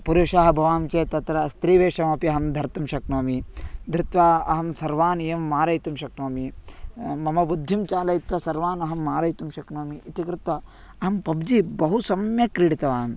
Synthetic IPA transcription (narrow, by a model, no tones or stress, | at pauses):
puɾuʃaɦɐbʱɐʋaːmt͡ʃeːt̪ɐt̪ɾɐst̪ɾiːʋeːʂɐmɐpiɐɦɐmd̪ʱɐɾt̪umʃɐknoːmid̪ɾɪt̪ʋaɐ̰ɦɐmsɐɾʋaːnijɐmːaːɾɐjt̪umʃɐknoːmi | mɐmɐbud̪ʱːjumt͡ʃaːlɐjit̪ʋɐsɐɾʋaːnɐɦɐmːaːɾɐjt̪umʃɐknoːmiʔːt̪ikɾɪt̪ʋɐ | ɐɦɐmpɐbd͡ʒibɐɦusɐmjɐkɾiɽit̪ɐʋaːm